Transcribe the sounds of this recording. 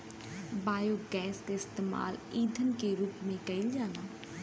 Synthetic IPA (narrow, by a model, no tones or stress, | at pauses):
baːjoːɡɛːsd̪eːɪst̪eːma̰ːliːd̪ʱənkeːɾuːpmẽːkəɪld͡ʒaːnaː